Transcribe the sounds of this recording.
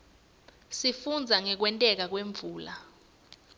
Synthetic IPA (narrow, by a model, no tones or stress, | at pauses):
sifund͡zʱaŋɛk̬wɛntʼɛk̬ak̬weɱbvʱuːla